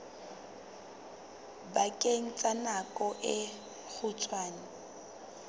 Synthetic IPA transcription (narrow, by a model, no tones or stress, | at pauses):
bakʼeŋ̩t͡sʼanakʼɔʔɪ | k͡xʰʊt͡sʰʼwaːnɪ